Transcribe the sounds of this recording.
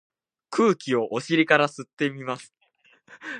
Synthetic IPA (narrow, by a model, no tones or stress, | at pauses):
kʰɯ̟ːkʲio̞ʔoɕiɾʲikaɾasɨt̪ːe̞mʲimasɨ̥